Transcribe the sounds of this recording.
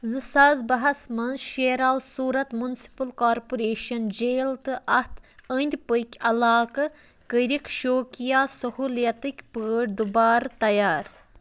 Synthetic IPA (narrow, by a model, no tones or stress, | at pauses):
zɨsɐzbɐɦɐsmɐnzʃeːɾaːwsuːɾɐt̪munsi̥pɐlkaːɾpuɾeːʃɐnd͡ʒeːlt̪ɨʔɐht̪ənd̪ʲpəjkʲɐlaːkɐ | kəɾikʃoːkʲijaːsɐhuːljɐt̪ɨkʲpəːɖd̪ubaːɾt̪ɐjaːɾ